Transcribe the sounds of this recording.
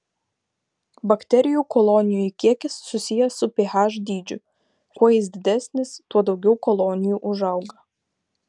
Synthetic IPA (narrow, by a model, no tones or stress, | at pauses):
bɐkt̪ʲɛɾʲɪjuːˑkɔlˠoːnʲɪjuikʲiɛkʲɪsːʊsʲɪjɛsʊpʲehɑːʒd̪ʲiːd͡ʒʲʊ | kuɔjɪs̬d̪ʲɪd̪ʲɛsʲnʲɪst̪uɔd̪ɒʊɡʲɛʊkɔlˠoːnʲɪjuːʔʊʒɐʊɡɐ